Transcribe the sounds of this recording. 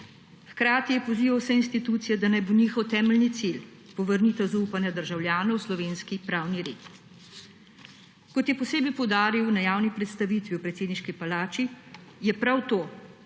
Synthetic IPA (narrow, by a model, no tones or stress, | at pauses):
xkɾaːt̪ijɛpɔziːʋawsɛinst̪it̪uːt̪sijɛd̪anajboniːxɔwt̪ɛːmɛlnit̪sil | pɔʋəɾnit̪azuːpanjad̪əɾʒawlʲjaːnɔwslɔʋeːnskipɾaːwniɾeːt̪ | kɔt̪jɛpɔseːbɛjpɔwd̪aːɾiwnajaːwnipɾɛt̪st̪aʋiːt̪ʋiwpɾɛt̪seːd̪niʃkipalaːt͡ʃijɛpɾawt̪oː